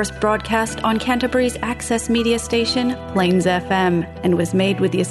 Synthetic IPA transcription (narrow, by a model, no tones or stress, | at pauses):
sb̥ɹɔd̚kʰæstn̩kʰæ̃ntɨbə˞izæksɛsmiɾiɨsteɪʃɨ̃npʰl̥ẽɪ̃nzɛfɛ̃m | ɨ̃nwʌzmeɪd̚wɨðiɨs